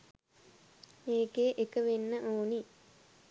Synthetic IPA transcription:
meːɡeːʔekəʋenːəʔoːni

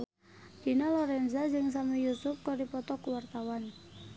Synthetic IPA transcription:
d̥inalɔɾɛnzad͡ʒɨŋs̬amijusʊp̚kɔdipɔt̪ɔkuwart̪awan

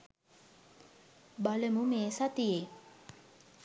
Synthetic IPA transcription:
baləmumeːsat̪ije

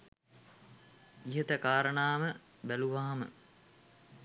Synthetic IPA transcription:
iɦət̪əkaːɾəɳaːmə | bæluʋaːamə̰

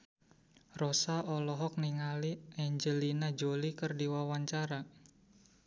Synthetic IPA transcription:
rɔsaɔlɔɦɔk̚niŋaliʔɛɲd͡ʒəlinad͡ʒolikərdiwawaɲt͡ʃaɾa

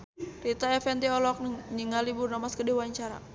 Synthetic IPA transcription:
rit̪aɛfɛnt̪iɔlɔk̚nɲiŋaliburnamaskədiwaɲt͡ʃaɾa̰

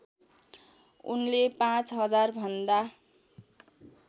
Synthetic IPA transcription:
ṵnlepãt͡sɦʌd͡zarbʱʌnd̪a

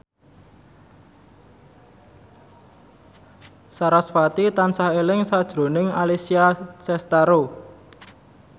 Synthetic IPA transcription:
saɾasfat̪it̪ansahelɪŋsad̥ʒ̥ɾo̤nɪŋalisiat͡ʃɛst̪aɾo

